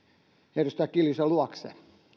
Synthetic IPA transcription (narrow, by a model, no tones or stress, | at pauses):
heirust̪ækiljusɑluɑksḛ